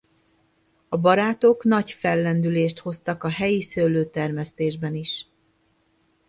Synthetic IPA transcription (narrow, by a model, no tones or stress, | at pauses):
ɒbɒɾaːt̪o̞knɒcfɛlːɛnd̪yleːʃt̪ho̞st̪ɒkɒɦɛjisøːløːt̪ɛrmɛst̪eːʒbɛniʃ